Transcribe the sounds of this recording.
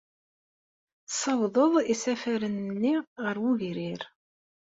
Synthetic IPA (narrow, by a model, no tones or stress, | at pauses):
sˤɑwðˤəðˤisæfæɾənːiʁəɾwuʝɾiɾ